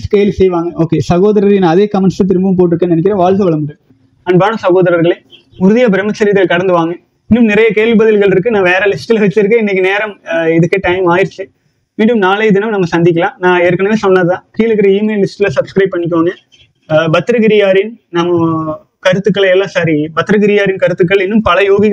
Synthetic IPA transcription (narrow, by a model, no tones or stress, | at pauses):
skeːlisɛjʋaːŋɡɐʔoːkeːsɐɣoːðɐɾɐɾɣnãːɐðeːkɐmɛɳslɐt̪̬ɪɾɯmbɐʋʊ̃mp̬oːʈ̬ːɯɾɯkːɐ̃ːnɐnɛk̬ʲːɪɾɐ̃ʋaːɭsɐʋɐɭɐmbɯɽɯ | ɐnbaːɳɐsɐɣoːðɐɾɐɾɣɐɭe | ʊɾɯðɪjaːbɪɾɐmɐt͡ʃːɐɾit̪ːɪlkɐɽɐnd̪ɯʋaːŋɡɐ̃ | ɪnːɯmnɪɾɐjɐkeːlʋibɐðɪlɣɐɭɪɾɯk̬ːɯnãːʋeːɾɐlɪsʈɪlɐʋɐt͡ʃːɪɾɯkːẽɪnːɐk̬ʲːɯneːɾɐmɪðɯkːeːʈɐɪmaːjɪɾɪt͡ʃːɯ | ʋiːɳɖɯmnaːleɪðɪnɐmnɐmːɐsɐnd̪ɪk̬ʲːɐlãːnãːeːɾɯkːɐɳɐnesɔnːɐðɐt̪ãːkiːɭɯkːɪɾɐiːmeːlːɪsʈɪlɐsɐbskɾɐɪp̚pːɐɳːɪk̬ʲːoːŋɡɐ | bɐt̪ːɪɾɐɣɪɾɪjaːɾɪnnɐmːɐ | kɐɾɯt̪ːɯkːɐɭɛlːãːsaːɾibɐt̪ːɪɾɐɣɪɾɪjaːɾɪnkɐɾɯt̪ːɯk̬ːɐɭɪnːɯmpɐlɐjoːɣɪɣ